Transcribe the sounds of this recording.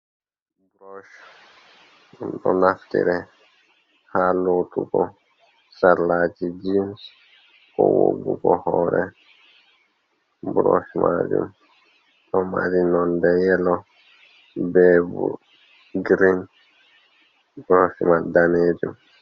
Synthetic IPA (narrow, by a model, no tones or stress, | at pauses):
bɾɔʃ | dɔnaftḭɾɛ | halot̪ukɔ | saɾlaːt͡ʃid͡ʒims | kɔwo̰ɡukɔhɔɾɛ | bɾɔʃma̰d͡ʒṵm | ɔmaɾinɔndɛjɛlɔ | bɛbṵ | ɡɾin | bɾɔʃmadaneːd͡ʒum